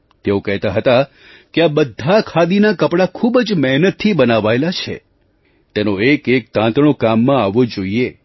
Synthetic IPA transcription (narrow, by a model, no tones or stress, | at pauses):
t̪eokəɦt̪aɦət̪a | keabəd̪ʱːakʰad̪inakəpɽakʰubd͡ʒmɛɦnət̪ʰːibənaʋaelat͡ʃʰḛ | t̪enoekek̚t̪ãt̪ɽ̃okamːãaʋːod͡ʒoie